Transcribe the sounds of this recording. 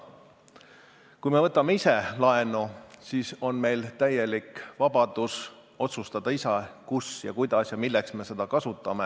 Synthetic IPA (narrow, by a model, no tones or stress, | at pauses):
kujme̞vɤt̪ːˑɑmeise̞lɑe̞nusiːso̞nme̞jlt̪æje̞likvɑb̥ɑd̪̥us | o̞t̪sust̪ɑd̪̥ɑisɑkusjɑ̰kujd̪̥ɑsjɑmilːɛksme̞se̞d̪̥ɑkɑsut̪ːˑɑme̞